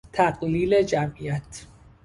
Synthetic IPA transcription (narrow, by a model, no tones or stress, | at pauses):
t̪ʰæɢliːle̞d͡ʒæmiæt̪ʰ